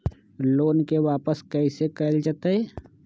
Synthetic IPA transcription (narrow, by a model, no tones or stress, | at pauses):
loːnkeʋaːpəskɛɪsekəld͡ʒət̪aeː